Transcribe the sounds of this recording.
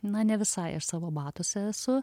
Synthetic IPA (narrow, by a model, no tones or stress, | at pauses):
nɐnʲɛʋʲɪsɐɪɪ̰ʃsɑːʋoːbɑːt̪ʊsʲɛsʊ